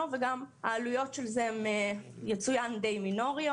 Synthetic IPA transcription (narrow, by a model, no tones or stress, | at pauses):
oveɡamaːlujo̞tʃelzemejet͡sujand̪ejmino̞ʁio